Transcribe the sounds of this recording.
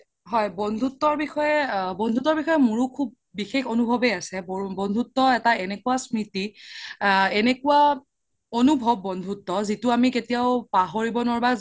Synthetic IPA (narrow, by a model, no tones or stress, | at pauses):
ɦɔjbɔndʱutːɔɹbixɔjɛbɔndʱutɔɹbixɔjɛmuɹukʰub̚ːixexonubʱɔbeasɛbbɔnd̪ʱutːɔɛtaɛnekuwasɹiti | ɛnekuwa | ɔnubʱɔbːɔndʱutːɔzitʊamiketijaʊpaɦoɹibɔnɔɹba